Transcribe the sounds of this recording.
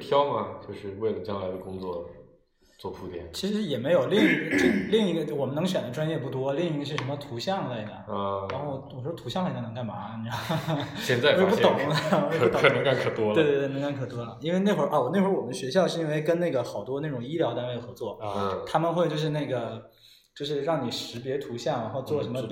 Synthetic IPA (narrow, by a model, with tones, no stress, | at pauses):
t̪ʰjɑ˥ʊmɐ˨t͡ɕjo˥˧ʊʂɻ̩˥˧we˥˩ɪlə˩t͡ɕjɑ˥ŋla˧˥ɪd̪ə˧kʊ˥ŋt͡swɔ˥˩ | t͡swɔ˥˧pʰu˥˩t̪jɛ̰˨˩nt͡ɕʰi˧˥ʂɻ̩˧˥jɛ˨˩me˧˥ɪjo˨˩ʊli˥˩ŋi˧˥ɡʈ͡ʂə˥˩li˥˩ŋi˧˥ɡə˧˥˩wɔ˨˩mə˦nɤ˧˥ŋɕɥɛ˨˩nd̪ə˦ʈ͡ʂwa˥njɛ˥˧pu˥˩t̪̬wɔ˥li˥˩ŋi˧˥ɡə˧ʂɻ̩˥˩ʂə˧˥nmə˧t̪ʰu˧˥ɕjɑ˥˧ŋla˥˩ɪ˥˩d̪jə̰˨˩˧ɻa˧˥nxo˥˩ʊwɔ˨˩ʂt̪ʰu˧˥ɕjɑ˥˧ŋle˥˩˥nɤ˧˥ŋka˥˩ɪma˧˥˩n˥˩ɕjɛ˥˧nt͡swe˥˧pu˥t̪ʊ˨˩˦ŋləwɪ˧u˥t̪nə˧˥ŋka˥˩nkʰɤ˨˩t̪wɔ˥we˥˧t̪w̪n˧˥ŋka˥˩nkʰɤ˨˩t̪wɔ˥lɐ˨˩i˥nwe˥˧ɪna˥˩xʔa˥˩wɔ˨˩ne˥˩ʂwɔ˨˩ə˦ɕɥɛ˧˥ɕjɑ˥˧ʊʂɻ̩˥˧i˥nwe˥˩ɪkə˥nne˥˩ɡə˩xɑ˨˩ʊt̪wɔ˥na˥˩ʈ͡ʂʊ˨˩ŋi˥ljɑ˧˥ʊt̪a˥nwe˥˩ɪd̪ə˩xɤ˧˥t͡swɔ˥˩t̪ʰa˥mə˨nxwe˥˧ɪt͡ɕjo˥˧ʊʂɻ̩˥˧na˥˩ɡə˩ | t͡ɕjo˥˧ʊʂ̬ɻ̩˥˧ɻɑ˥˩ŋni˨˩ʂɻ̩˧˥pjɛ˧˥t̪ʰu˧˥ɕjɑ˥˩ŋɻa˧˥nxo˥˧ʊt͡swɔ˥˩ʂə˧˥mə˧